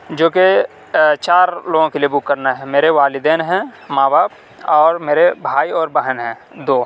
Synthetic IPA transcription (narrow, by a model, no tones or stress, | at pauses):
d͡ʒoːke | t͡ʃaːɾloːɡõkelijebʊkːəɾnaɦɛmeːɾeʋaːlɪd̪ɛːnɦɛ̃mãːbaːp̚ | ɔːɾmeːɾebʱaːiɔːɾbəɦənɦɛ̃ː | d̪oː